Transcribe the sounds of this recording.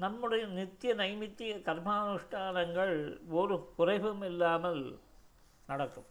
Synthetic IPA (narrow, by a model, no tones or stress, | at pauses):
nɐmːɯɽejnit̪jɐnɐjmit̪ːijɐkɐrmaːnuʂʈʰaːnɐŋɡɐɭoɾukurɐjʋɐmɛlːaːmɐl | nɐɽɐkːum